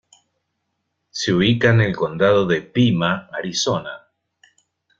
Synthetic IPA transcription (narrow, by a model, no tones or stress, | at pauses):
seuβikanelko̞nd̪aðoðepimaːɾisona